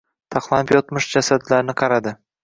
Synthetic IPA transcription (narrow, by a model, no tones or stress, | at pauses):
t̪ʰɑqlˠanɪpjɒt̪mɪʃd͡ʒasad̪laɾnɪqʰɑɾad̪ɪ